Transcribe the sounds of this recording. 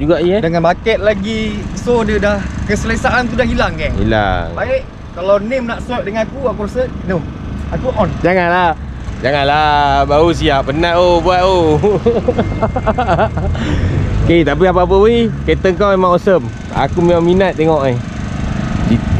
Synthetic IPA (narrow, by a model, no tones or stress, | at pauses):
d͡ʒuɡaʔiadəŋanbakɛt̪̚laɡisodədahkəsəlesaʔant̪udahɦilaŋkaḭla̰ŋbaiʔ | kalawnemnaʔsɔdəŋanakuakuɾasə | no | akuʔɔnd͡ʒaŋanlah | d͡ʒaŋanlabaus̬iapənat̪obuat̪̚o | ket̪ap̬iap̬ap̬əiket̪əŋkawamaʔosəm | a̰kumiaminat̪̚ːeŋɔʔa | di